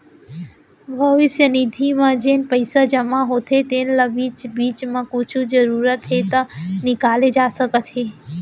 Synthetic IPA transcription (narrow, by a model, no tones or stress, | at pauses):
bʱɐʋɪsjənid̪ʱimãd͡ʒeːnɪ̆pəɪsad͡ʒəmaɦoːt̪ʰet̪eːnlabiːt͡ʃbiːt͡ʃmãkʊt͡ʃʰud͡ʒəɾuːɾət̪ɦet̪ɐnɪkaːled͡ʒaːsəkət̪ɦeː